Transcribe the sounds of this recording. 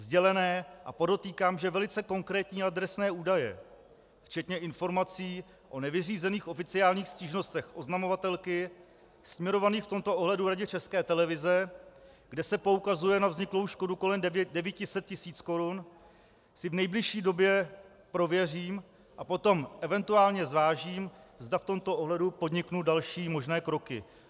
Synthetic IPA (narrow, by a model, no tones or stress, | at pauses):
zɟɛlɛnɛːʔa̰po̞do̞t̪iːkaːmʒɛvɛlɪt͡sɛko̞ŋkɾɛːt̪ɲiːad̪ɾɛsnɛːuːdajɛ̰ | ft͡ʃɛt̪ɲɛɪnfo̞ɾmat͡siː | ʔo̞nɛvɪriːzɛniːxʔo̞fɪt͡sɪaːlɲiːxsciːʒno̞st̪ɛxʔo̞znamo̞vat̪ɛlkɪ | smɲɛɾo̞vaniːxft̪o̞mt̪oʔo̞ɦlɛduɾaɟɛt͡ʃɛskɛːt̪ɛlɛvɪzɛ | ɡdɛsɛpo̞ukazujɛnavzɲɪklo̞wʃko̞duko̞lɛmdɛvicɪsɛt̪̚cɪsiːt͡sko̞ɾun | sɪvnɛjblɪʃiːdo̞bjɛ | pɾo̞vjɛr̝iːm | ʔapo̞t̪o̞mʔɛvɛnt̪uaːlɲɛzvaːʒiːmzdaft̪o̞mt̪oʔoɦlɛdupo̞dɲɪknudalʃiːmo̞ʒnɛːkɾo̞kɪ̰